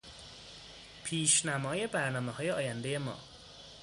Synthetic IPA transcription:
pʰiːʃnæmɒːje̞bæɾnɒːmehɒːje̞ɒːjænd̪e̞jemɒ̰ː

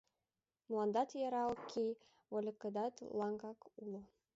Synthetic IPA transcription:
mlɑnd̪ɑt̪jɑɾɑlkʰːi | βolʲəkəd̪ɑt̪lɑŋɡɑkulo

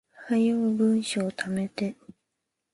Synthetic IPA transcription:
hajɯbɯ̟̃ɰ̃ɕoːt̪ʰamet̪e

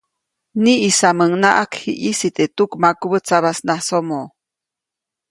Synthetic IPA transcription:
niʔisaməŋnaʔakhḭʔisit̪et̪ukmakuβət͡saβasnasomo

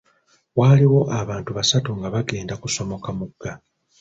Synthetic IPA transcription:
waːliwo̞ʔaβaːntuβasatuŋɡaβaɡe̞ːndakuso̞mo̞kamuɡːa

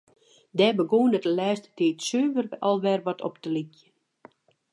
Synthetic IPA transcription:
dɛbəɡoːnətəlɛːstətiːtsøːvərʔɔlˠʋɛrʋɔtʰɔ̰ptəlikjə

